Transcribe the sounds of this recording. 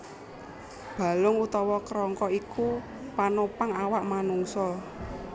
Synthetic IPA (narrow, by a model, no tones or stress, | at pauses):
b̥a̤lʊŋut̪ɔwɔkɾɔŋkɔiku | panopaŋawaʔmanuŋsɔ